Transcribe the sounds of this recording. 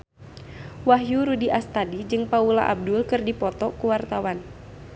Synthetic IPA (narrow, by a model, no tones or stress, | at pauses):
waɦjuɾudiʔast̪adid͡ʒɨŋpaula̰ʔa̰b̚dʊlkɨrdipɔt̪ɔkuwart̪awan